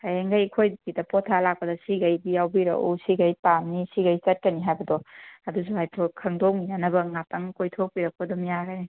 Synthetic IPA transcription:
hajaŋɡajkʰojdkidɐpɔtʰalak̚pɐdɐsiɡajbijawbiɾɐ̰ʔṵsiɡɐjpamnisiɡajsɐt̚kɐniɦajbɐdɔɐdus̬uhajtʰokʰɐŋdomijanɐbɐŋatɐŋkojtʰok̚piɾɐk̚pɐdɔmijaɡɐni

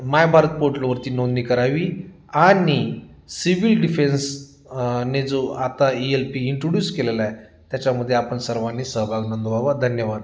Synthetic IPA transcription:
majbʱaɾət̪̚poʈlʋəɾt̪iːnond̪nikəɾaʋiː | ani | siʋilɖifens | ned͡zoat̪aielpiːɳʈɾoɖjuːskelelae | t̪jat͡ɕaməd̪ʱːjeapəɳsəɾʋanːesəɦbʱaɡnənd̪baʋad̪ʱənjəʋad̪

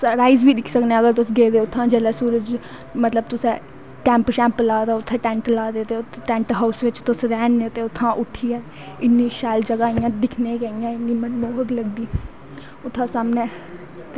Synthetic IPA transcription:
ɾaːɪzbʱiːd̪ɪkʰsəkneːəɡəɾt̪ʊsɡeːd̪eːʊt̪ʰːãːd͡ʒeːlɛːsuːɾəd͡ʒ | mət̪ləbt̪ʊsẽ | ʈɛ̃ːmpʃɛ̃ːmplaːd̪aːʊt̪ʰːẽːʈɛ̃ːɳʈlaːd̪eːt̪eʈɛ̃ːɳʈɦaʊsʋɪt͡ʃt̪ʊsɾɛːnẽt̪eːʊt̪ʰːãːʔʊʈʰːiːɛː | ɪnːiːʃaːld͡ʒəɡaːijãːd̪ɪkʰnẽːkaːijãːɪnːiːmənmoːɦəkləɡd̪iː | ʊt̪ʰːãːsaːmneː | t̪e

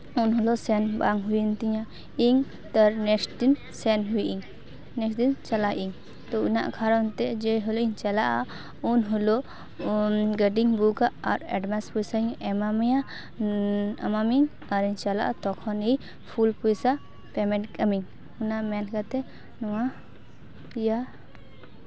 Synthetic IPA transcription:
unɦɔlɔsɛnbaŋɦujint̪iɲa | iŋ | t̪aɾnɛsʈdin | sɛnɦujʔiŋ | nɛsd̪int͡ʃalaʔiŋ | t̪ɔuna̰ʔkʰaɾɔnt̪ɛd͡ʒɛɦɔlɔiɲt͡ʃalaʔa | unɦɔlɔ | ɡəɖiŋbukaʔa̰ɾɛ̰ɖmaspusaiŋɛmamja | amamiŋ | aɾiɲt͡ʃala̰ʔat̪ɔkʰɔnij | pʰulpujsa | pɛmɛ̃ɳʈkəmiŋ | unaʔmɛnkat̪ɛ | nɔwa | ja

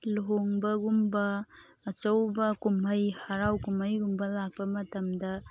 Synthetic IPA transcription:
loɦoŋbɐɡumbɐː | t͡ʃɐwbɐkumɐjhaɾawkumɐjɡumbɐlak̚pɐmɐtɐmdɐ

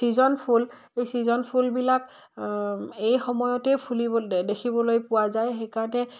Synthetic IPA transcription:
sizɔnpʰul | ejsizɔnpʰulbilak | ejxɔmɔjɔtɛpʰuliɔdekʰibɔlojpʊwazajxekaɹɔnɛ

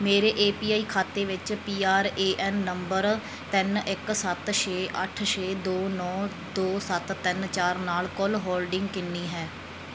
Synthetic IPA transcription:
meːɾeːʔeːpiːaːiːkʰaːt̪eːʋɪt͡ʃpiːaːɾeːʔɛːnːəmbəɾ | t̪ɪnɪksət̪ʃʰeːʔəʈʰʃeːd̪oːnɔː | d̪oːsət̪t̪ːɪnt͡ʃaːɾnaːlkʊlɦoːlɖɪ̃ŋɡkɪnːiːɦɛː

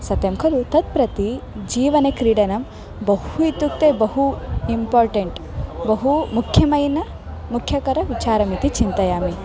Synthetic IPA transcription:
sɐt̪jɐmkʰɐlut̪ɐt̪̚pɾɐt̪id͡ʒiːʋɐnekɾiːɽɐnɐm | bɐhuit̪ːuk̚t̪eːbɐɦuimpaːɾʈeɳʈbɐɦumukʰjɐmɐjnɐ | mukʰjɐkɐɾɐʋit͡ʃaːɾɐmit̪it͡ʃint̪ɐjaːmi

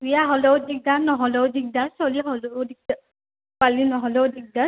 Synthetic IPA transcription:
wijaɦɔlɔwdik̚danɔɦɔlɔwdik̚dasɔliɦɔlɔdik̚d | palinɔɦɔlɔwdik̚da

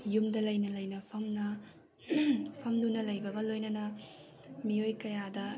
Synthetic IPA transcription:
jumdɐlɐjnɐlɐjnɐpʰɐmnɐ | pʰɐmdunɐlɐjbɐɡɐlojnɐnɐ | miojkɐjadɐ

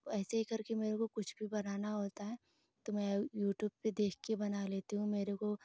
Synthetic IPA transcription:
ɛːseɦikɐɾkemeːɾekokʊt͡ʃʰbʱibɐnaːnaɦoːt̪aɦɛː | t̪omɛ̃juːʈjuːb̚ped̪eːkʰkebɐnaleːt̪iɦũmeːɾeko

